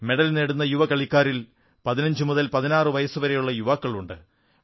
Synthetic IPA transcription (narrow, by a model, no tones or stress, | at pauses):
me̞ɽɐlneɽunːɐjuʋɐkɐɭikʲːaːɾil | pɐðinɐɲd͡ʑɨmuðɐlpɐðinaːrɨʋɐjɐsuʋɐɾejuɭːɐjuʋaːkːɐɭuɳɖɨ̰